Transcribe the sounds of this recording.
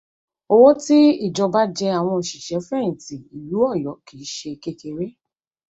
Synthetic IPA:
o˧wo˦ti˦i˦˨d͡ʒɔ˧ba˦d͡ʒɛ˧a˨w̃ɔ̃˧o˨ʃi˨ʃɛ˨˦fɾɛ̃˦˨ti˨i˨ju˨˦ɔ˦˨jɔ˨˦ki˨˦ʃe˧ke˦˧ke˧ɾe˦

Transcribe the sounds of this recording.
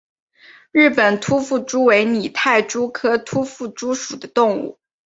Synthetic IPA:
ɻ̩˥˩pə˨˩nt̪ʰu˥fu˥˩ʈ͡ʂu˥we˧˥ɪni˨˩t̪ʰa˥˩ɪʈ͡ʂu˥kʰɤ˥t̪ʰu˥fu˥˩ʈ͡ʂu˥ʂu˨˩d̪ə˦t̪ʊ˥˧ŋṵ˥˩

